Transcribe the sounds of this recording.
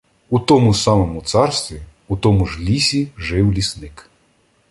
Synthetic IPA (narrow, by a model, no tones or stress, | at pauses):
ut̪ɔmusɑmɔmʊt̪sɑrst̪ʋʲi | ut̪ɔmʊʒlʲisʲiʒɪwlʲisnɪk